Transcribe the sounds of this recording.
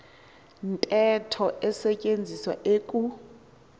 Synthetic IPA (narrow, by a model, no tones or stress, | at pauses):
ntʼɛtʰɔʔɛsɛcʼend͡zʱiswa̰ʔeːkʼu